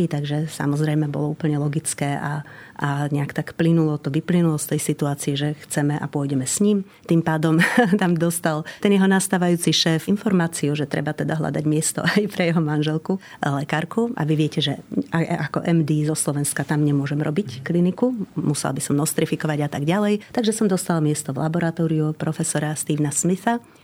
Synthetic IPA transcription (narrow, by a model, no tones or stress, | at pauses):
it̪aɡʒɛsa̰mɔzɾɛjmɛbɔ̰lɔuːpl̩ɲɛlɔɡit͡skɛːʔaʔaɲɛakt̪akplinulɔt̪ɔʋiplinulɔst̪ɛjsit̪uaːt͡siɛʒɛxt͡sɛmɛʔa̰pʊɔjɟɛmɛsɲim | t̪impaːd̪ɔmt̪amd̪ɔst̪alt̪ɛnjɛɦɔnast̪aːʋajuːt͡siʃɛːfinfɔɾmaːt͡siuʒɛt̪ɾɛ̰bat̪ɛd̪aɦla̰d̪aɟmɪɛst̪ɔ̰ʔajpɾɛjɛɦɔmanʒɛlˠku | lɛkaːɾkuʔa̰ʋiʋɪɛcɛʒɛʔaakɔ̰ʔɛmd̪iːzɔslɔʋɛnskat̪amɲɛmʊɔʒɛmɾɔ̰bicklinikumusɛ̰lbisɔmnɔst̪ɾifikɔʋaɟat̪aɡɟalɛjt̪aɡʒɛsɔmd̪ɔst̪almɪɛst̪ɔʋlʔa̰bɔɾat̪ɔːɾiupɾɔfɛsɔɾast̪iːʊnasmisa